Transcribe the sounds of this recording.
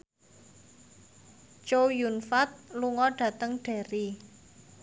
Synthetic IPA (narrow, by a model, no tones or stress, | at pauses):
t͡ʃowjunfat̪̚luŋɔɖ̥ä̤t̪əŋɖ̥a̤ɾi